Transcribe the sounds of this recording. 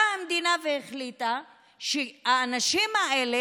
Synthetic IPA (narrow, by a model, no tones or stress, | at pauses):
aamd̪inaveeχlit̪a | ʃeaːnaʃimaele